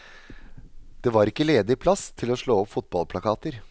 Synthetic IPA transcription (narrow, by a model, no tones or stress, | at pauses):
d̪̥ɛʋɑɾɪkːəleːd̪əɪɪpʰlɑst̪ʰɪlɔʂɭoːɔpfʊt̪̚bɑlpʰlɑkʰɑːt̪əɾ